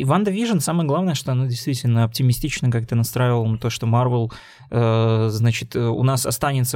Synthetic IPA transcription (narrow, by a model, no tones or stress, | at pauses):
ɪvand̪əvʲiʐənsaməjəɡlˠavnəjəʂt̪o̞ɐnodʲɪjst̪vʲitʲɪlʲnəɐp̚tʲɪmʲɪsʲtʲit͡ɕnəkak̚t̪ənɐst̪ɾajɪvəlˠənət̪oʂt̪o̞marvəlˠ | əznat͡ɕɪt̪əʊ̰nasɐ̰st̪anʲɪt̪sə